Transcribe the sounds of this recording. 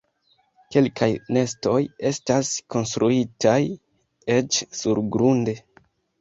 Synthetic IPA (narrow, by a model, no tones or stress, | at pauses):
ke̞lkʰajne̞sto̞je̞stasko̞nstɾʔuitaj | e̞t͡ʃsuɾɡɾunde̞